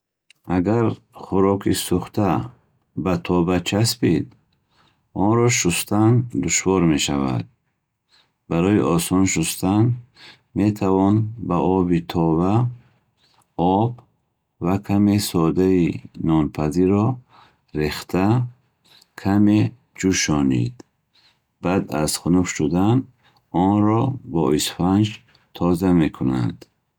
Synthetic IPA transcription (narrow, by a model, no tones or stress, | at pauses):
aɡaɾ | χuɾɔkʰisuχt̪ʰa | bat̪ʰɔbat͡ʃʰaspid̪ | ɔnɾɔʃust̪ʰand̪uʃvɔɾme̞ʃava̰d̪̚ | baɾɔiʔɔsɔnʃust̪ʰan | me̞t̪ʰavɔnbaʔɔbit̪ʰɔba | ɔb | vakʰamesɔd̪ainɔnpʰaziɾɔ | ɾeχt̪ʰa | kʰame | d͡ʒuʃɔnḭd̪ | b̥ad̪a̰zχunufʃud̪an | ɔnɾɔbɔisfand͡ʒ | t̪ʰɔzame̞kʰuna̰d̪̥